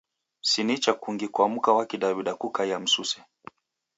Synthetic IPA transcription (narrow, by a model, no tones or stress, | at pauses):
sinit͡ʃakuŋɡikwamukawakiɗaβiɗakukaiam̩susɛ̥